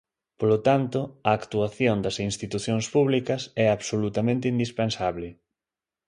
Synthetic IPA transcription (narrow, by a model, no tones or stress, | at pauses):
polot̪ant̪ʊɐːkt̪uaθjond̪ɐsinst̪it̪uθjoŋspuβlikɐsɛaβsolut̪ɐmẽnt̪eind̪ispensaβlɪ